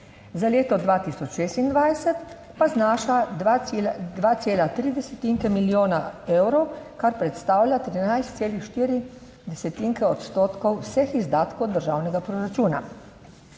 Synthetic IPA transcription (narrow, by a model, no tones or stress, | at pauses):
zaleːt̪ɔd̪ʋaːt̪isɔt͡ʃʃeːst̪ind̪ʋajsɛt̪ | paznaːʃa | d̪ʋaːt̪seːlat̪ɾid̪ɛsɛt̪iŋkɛmiljoːnaeːwɾɔwkaɾpɾɛt̪st̪aːwlʲjat̪ɾinajst̪seːlixʃt̪iːɾi | d̪ɛsɛt̪iŋkɛɔt̪st̪oːt̪kɔwːsɛxizd̪aːt̪kowd̪əɾʒaːwnɛɡapɾoɾat͡ʃuːna̰